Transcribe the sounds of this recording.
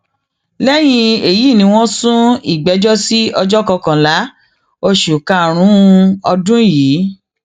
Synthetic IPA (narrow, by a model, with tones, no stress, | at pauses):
lɛ˦j̃ĩ˧e˨ji˨˦˨nĩ˧˦w̃ɔ̃˦sũ˦i˨ɡ͡bɛ˨˦d͡ʒɔ˦si˦ɔ˧d͡ʒɔ˦kɔ˧kã˨la˨˦ | o˧ʃu˨ka˧˨ɾ̃ũ˨˦ɔ˧dũ˦jiː˨˦